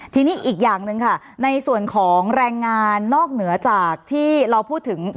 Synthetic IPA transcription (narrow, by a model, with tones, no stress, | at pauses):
t̪ʰiː˧niː˦˥ʔiː˨˩k̬̚jaː˨˩ŋnɯ˧ŋkʰa˥˩ | na˧jsu˨˩ənkʰɔː˩˦ŋɾɛː˧ŋːaː˧nːɔː˥˩k̚nɯ˩˦ɐt͡ɕaː˨˩k̚t̪ʰiː˥˩ɾa˧wpʰuː˥˩t̪ʰːɯ˩˦ŋ